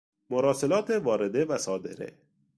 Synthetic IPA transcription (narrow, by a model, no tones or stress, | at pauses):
mʊɾɔːsɪlɒːt̪evɒːɾɪd̪evasɒːd̪eɾḛ